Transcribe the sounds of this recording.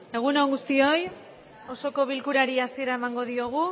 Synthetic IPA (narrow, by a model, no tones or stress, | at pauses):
e̞ɣ̞unooŋɡust̪io̞j | o̞so̞ko̞βilkuɾaɾiasie̞ɾae̞maŋɡo̞ðio̞ɣ̞u